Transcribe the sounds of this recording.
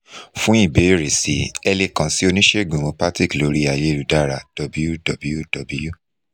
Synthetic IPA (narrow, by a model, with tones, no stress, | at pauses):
fũ˦i˦˨be˨˦ɾe˨sḭ˨ɛ˧le˧kã˧si˦o˧nĩ˦ʃe˦ɡũ˨mõ˨˦pa˦ti˦˨klo˨˦ɾi˦a˨je˨˦˨ɾu˨da˦˨ɾa˨d̥ɔ˨bu˦ju˦dɔ˨bju˦d̥ɔ˨bu˦ju˦